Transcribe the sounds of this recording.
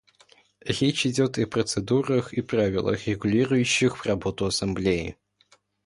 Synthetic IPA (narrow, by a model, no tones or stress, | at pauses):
rʲet͡ɕɪdʲot̪ipɾət̪sɨd̪uɾəxipɾavʲɪ̰lˠə̰xrʲɪɡʊlʲiɾʊjʉɕːɪxvrɐbo̞t̪ʊɐsɐmblʲejɪ̰